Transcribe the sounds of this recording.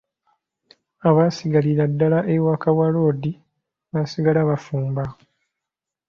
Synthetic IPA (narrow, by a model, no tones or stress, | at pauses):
aβasiɡaliɾadːalaʔewakawalo̞ːdi | βasiɡalaβafuːmba